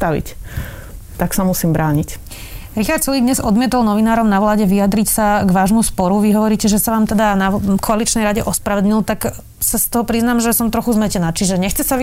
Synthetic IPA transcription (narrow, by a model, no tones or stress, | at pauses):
t̪aʋḭc | t̪aksamusiːmbɾaːɲic | ɾixaɾt̪sulid̪ɲɛzɔd̪mɪɛt̪ɔlˠnɔʋinaːɾɔmnaʋlaːɟɛʋijad̪ɾicsaɡʋaːʒmuspɔɾuʋiɦɔʋɔɾiːcɛʒɛsaʋaːmt̪ɛd̪anakʰɔalit͡ʃnɛjɾaɟɛʔɔspɾaʋɛd̪l̩ɲilt̪ak | sast̪ɔɦɔpɾiznaːmʒɛsɔmt̪ɾɔxuzmɛcɛnaːt͡ʃiʒɛɲɛxt͡sɛsa